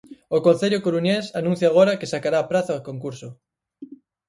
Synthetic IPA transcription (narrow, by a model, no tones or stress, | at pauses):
okõn̟θeʎokoɾuɲesanũn̟θjaɣ̞oɾakesakaɾaːpɾaθaakoŋkuɾsʊ